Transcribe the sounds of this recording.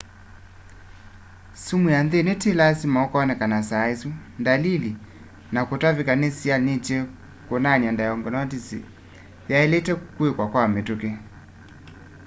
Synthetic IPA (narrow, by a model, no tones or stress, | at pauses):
sumuanðenetelasimaɔkɔɔnɛkanasaesundalili | nakotavikanesianet͡ʃɛ | konanjandajɔŋɡɔnɔtisḭ | jaɛletɛkwekwakwametoke